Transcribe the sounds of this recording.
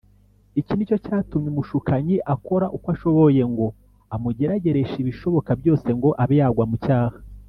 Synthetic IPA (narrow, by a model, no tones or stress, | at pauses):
icinico̞caːtumɲimuʃukaɲiʔako̞ɾaʔukwaʃo̞βo̞je̞ŋɡo̞ | amuɟe̞ɾaɟe̞ɾe̞ʃiβiʃo̞βo̞kabjo̞ːse̞ŋɡo̞ʔaβejaɡwamucaːha